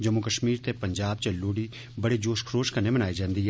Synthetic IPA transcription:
d͡ʒɐmːukəʃmiːɾt̪epɐ̃ɲd͡ʒaːb̚t͡ʃɐlːoːɽi | bɐɽed͡ʒoːʃkʰɾoːʃkɐɾnemɐnaːed͡ʒãːnd̪i

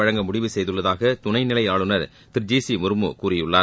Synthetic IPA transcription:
ɐɻɐŋɡɐmʊɽɪʋɯsɛjðɯɭːɐðaːɣɐt̪ʊnɐɪnɪlɐɪaːɭɯnɐɾ | t̪ɪɾd͡ʒiːsimʊɾɯmɯ̰kuːrɪjɯɭːaː

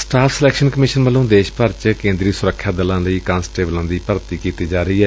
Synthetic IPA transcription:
sʈaːpʰsəlɛːkʃənkəmɪʃənməlːõːd̪eːʃpəɾt͡ʃkẽːnd̪ɾiːsʊɾəkʰːjaːd̪əlãːləiːkãːnsʈeːblãːd̪iːpəɾt̪iːkiːt̪iːd͡ʒaːɾəiːɛː

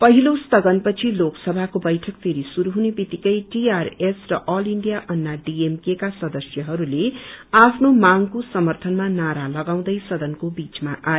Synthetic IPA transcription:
pʌɦilost̪ʌɡʌnpʌt͡sʰiloksʌbʱakobʌjʈʰʌkpʰeɾisuɾuɦunepit̪ikʌjʈiaresrʌʔʌliɳɖijaʔʌnːaɖiemkekasʌd̪ʌsjʌɦʌɾuleapʰnomaŋkosʌmʌrt̪ʰʌnmanaɾalʌɡaw̃d̪ʌjsʌd̪ʌnkobit͡smaʔae

